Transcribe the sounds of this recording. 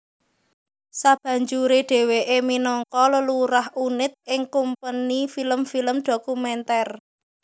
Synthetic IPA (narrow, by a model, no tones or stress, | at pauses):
sab̥ä̤ɲd͡ʒuɾeɖ̥e̤weʔeminɔŋkɔləluɾaɦʔunɪt̪̚ʔɪŋkumpənifiləmfiləmɖ̪̥o̤kumɛnt̪ɛr